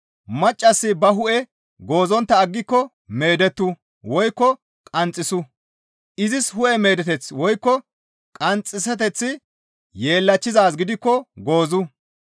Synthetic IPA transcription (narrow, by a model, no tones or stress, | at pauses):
mɐt͡ʃʼːɐsːɪbɐɦʊʔɛ | ɡo̞ːzɔnt̪ːɐːɡːɪkːɔ | me̞ːd̪ɛt̪ːʊ | wɔjkːɔ | kʼɐnt͡sʼːɪsʊ | ʔɪzɪshʊʔɛme̞ːd̪ɛt̪ɛt͡swɔjkːɔ | kʼɐnt͡sʼːɪsɛt̪̬ɛt͡sːɪ | je̞ːlːɐt͡ʃːɪzaːs̬ɡɪd̪ɪkːɔɡo̞ːzʊ